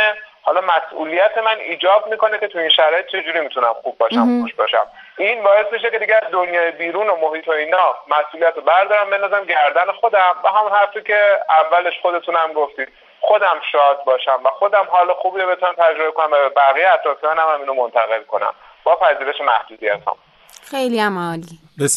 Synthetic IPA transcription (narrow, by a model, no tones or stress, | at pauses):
ehɒːlɒːmæsʔṵːlijæt̪ʰe̞mænḭːd͡ʒɒːd̪̚miko̞ne̞ce̞t̪ʰuinʃæɾɒːjet̪̚t͡ʃʰe̞d͡ʒuːɾimit̪ʰunæmxuːbːɒːʃæmxumuʃbɒ̰ʃæ̰m | iːnbɒːe̞smiʃ̬ece̞d̪iɟeæzd̪onjɒːjebiːɾuːno̞mo̞ɦiːt̪ʰoiːnɒmæsʔuːlijæt̪obæɾd̪ɒːɾæmbe̞nd̪ɒːzæmɟæɾd̪æne̞xo̞d̪æmvæɦæmunhæɾfiːcʰe̞ævːæle̞ʃχod̪e̞t̪ʰunhæmɡoft̪iːd̪̥̚ | xo̞d̪æmʃɒːd̪bɒːʃæmvæxo̞d̪æmɦɒːloxuːbiɾobe̞t̪ʰunæmt̪ʰæd͡ʒɾo̞βekonæmvæbebæɣiːjeæt̪ɾɒːfijɒːnæmæmiːnomo̞nt̪ʰæɣe̞lko̞næ̰m | bɒːpʰæziːɾe̞ʃe̞mæhd̪uːd̪ijæt̪ʰæ̰m | xejliæmɒːli | bes